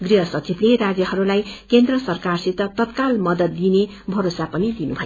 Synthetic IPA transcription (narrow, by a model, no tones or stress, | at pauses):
ɡriɦʌsʌt͡sibleɾad͡zjʌhʌɾulajkend̪rʌsʌrkarsit̪ʌt̪ʌt̪kalmʌd̪ʌt̪d̪ine | bʱʌɾosapʌnid̪inubʱʌjo